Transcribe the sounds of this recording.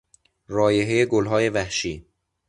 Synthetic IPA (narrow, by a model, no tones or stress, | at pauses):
ɾɒːjeɦejeɡolɦɒːje̞væhʃiː